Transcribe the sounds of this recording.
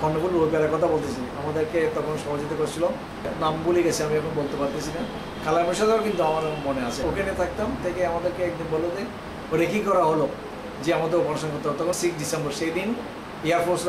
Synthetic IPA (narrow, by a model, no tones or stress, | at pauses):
kɔnɖobulɾojpeaɾaɾkɔt̪ʰabolt̪et͡ɕʰinamad̪eɾket̪ɔkʰonʃɔɦod͡ʑit̪̬okoɾt͡ɕʰilo | nambuliɡet͡ɕʰeamiɛkʰonbolt̪epaɾt̪et͡ɕʰina | kʰalamonʃad̪ak̬int̪uamaɾemoneat͡ɕʰeokenet̪ʰak̚t̪amt̪ʰekeamad̪eɾkeɛkd̪inbʱɔlod͡ʑe | oɾekikɔɾaɦolo | d͡ʑeamad̪eɾopɔnoʃonkoɾt̪aɦɔt̪ɔkʰonsikdisembɔɾʃejd̪in | iaɾfoɾsɾ